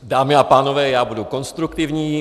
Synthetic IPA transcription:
d̪aːmiapaːnɔvɛːjaːbudukonst̪ɾukt̪ivɲiː

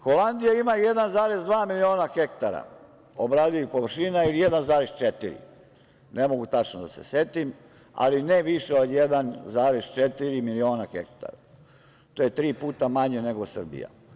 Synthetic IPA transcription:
xo̞land̪ijaimajed̪anzaːɾe̞zd̪ʋaːmilio̞ːnaxekt̪aɾa̰ | obɾaːd̪ijupoʋr̩ʃinailijed̪anzaːɾest͡ʃet̪iɾḭ | nemo̞ɡut̪at͡ʃnod̪ase̞̰set̪im | a̰lineʋiʃeod̪jed̪anzaːɾest͡ʃet̪iɾimilio̞ːnaxḛk̚t̪a̰ɾa | t̪oːjet̪ɾiːpuːt̪amaɲene̞ɡosr̩bḭja̰

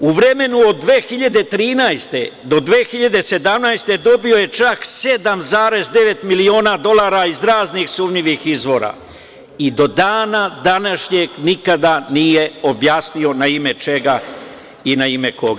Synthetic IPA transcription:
uʋɾe̞me̞nuod̪ːʋe̞ːxiʎad̪e̞t̪ɾiːnajst̪e̞d̪o̞d̪ʋe̞ːxiʎad̪ese̞d̪amnajst̪e̞d̪o̞bio̞je̞t͡ʃakse̞d̪amzaːɾe̞zd̪e̞ʋe̞t̪milio̞ːnad̪o̞lˠaːɾaizɾaːznixsumɲiʋixizʋo̞ːɾa̰ | id̪o̞d̪aːnad̪anaʃɲe̞ɡnikad̪anije̞o̞bjaːsnio̞naime̞t͡ʃe̞ɡa | inaime̞ko̞̰ɡa

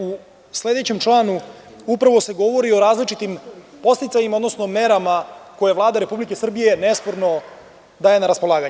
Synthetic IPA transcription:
u | sle̞d̪e̞t͡ɕe̞mt͡ʂlˠaːnu | upɾaʋo̞se̞ɡo̞ʋo̞ɾio̞ɾaːzlit͡ʃit̪impo̞st̪it̪saɲimaod̪no̞sno̞me̞ɾamako̞jeʋlˠaːd̪aɾe̞publike̞sr̩bije̞nespo̞ɾno̞ | d̪aːjenaɾaspolaːɡaɲ

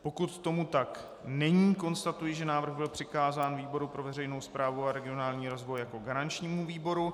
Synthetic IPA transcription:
po̞kut̪ːo̞mut̪ak | nɛɲiːko̞nst̪at̪ujɪʒɛnaːvr̩ɣbɪlpr̝̥ɪkaːzaːnviːbo̞ɾupɾo̞vɛrɛjno̞wspɾʔaːvuaɾɛɡɪo̞naːlɲiːɾo̞zvo̞jjako̞ɡaɾant͡ʃɲiːmuviːbo̞ɾu

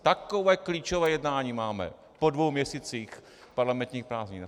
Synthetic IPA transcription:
t̪akovɛːkliːt͡ʃovɛːjɛdnaːɲiːmaːmɛ̰ | podvowmɲɛsiːt͡siːx | paɾlamɛnt̪ɲiːxpɾaːzɲiːn

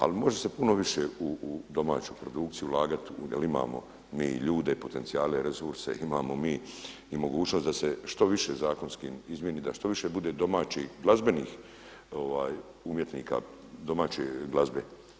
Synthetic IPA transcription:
a̰limo̞ʒe̞se̞puno̞ʋiʃeud̪o̞ma̰ːt͡ʃupɾod̪uk̚t̪sijulaːɡat̪iṵjelima̰ːmo̞̰ | mḭːʎuːd̪e̞ipo̞t̪e̞nt̪iaːleɾesuɾse̞̰imaːmo̞miː | imo̞ɡuːt͡ʃno̞st̪d̪ase̞ʃt̪o̞ʋiʃe̞zaːko̞nskiːmizmjeniːd̪aʃt̪o̞ʋiʃe̞bud̪e̞d̪o̞maːt͡ɕiɡlˠazbe̞niːx | o̞ʋaːj | umjet̪niːka̰d̪o̞maːt͡ɕeɡlazbe

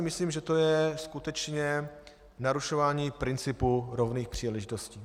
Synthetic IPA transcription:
ɪmɪsliːmʒɛt̪ojɛskut̪ɛt͡ʃɲɛ | naɾuʃo̞vaːɲiːpɾɪnt͡sɪpuɾovniːxpr̝̥iːlɛʒɪt̪o̞sciː

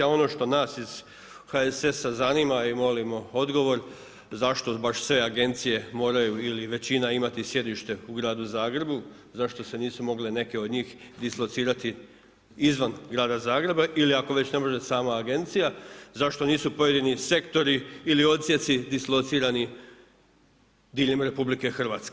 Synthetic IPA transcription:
o̞no̞ːʃt̪o̞naːsiz̥ | haese̞sazaniːmaimo̞limo̞o̞d̪ɡo̞ʋo̞ɾ | zaʃt̪o̞baʃsʋe̞aɡe̞nt̪sije̞mo̞ːɾajuiliʋe̞t͡ɕinaimat̪isje̞d̪iʃt̪e̞uɡɾaːd̪uzaːɡɾe̞bu | zaʃt̪o̞se̞niːsumo̞ɡlene̞ke̞od̪ɲiːxd̪islo̞t̪siːɾat̪i | izʋanɡɾaːd̪azaːɡɾe̞baʔiliako̞ʋe̞t͡ɕne̞mo̞ʒe̞saːmaːɡe̞nt̪sijazaʃt̪o̞niːsupo̞je̞d̪inise̞kt̪o̞ɾiːlio̞t̪sje̞t̪sid̪islˠot̪siːɾani | d̪iːʎemɾe̞publike̞xr̩ʋaːt̪ske

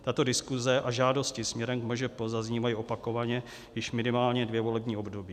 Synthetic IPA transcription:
t̪at̪o̞dɪskuzɛʔaʒaːdo̞scɪsmɲɛɾɛmkmoʒɛpozazɲiːvajiʔo̞pako̞vaɲɛ | jɪʃmɪnɪmaːlɲɛdvjɛvo̞lɛbɲiːo̞bdo̞biː

